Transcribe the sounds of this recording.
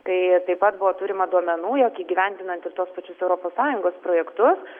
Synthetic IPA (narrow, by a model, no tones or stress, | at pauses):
t̪ɐɪt̪ɐɪpɐt̪̚bʊʋoːt̪uːɾʲɪmɐd̪uɔmʲɛnuːjoːkiːɡʲiʋʲɛnʲd̪ʲɪnɐnt̪ɪrt̪uɔspɐt͡ʃʲʊsɛʊɾoːpoːssɑːjʊŋɡoːspɾoːjɛkt̪ʊs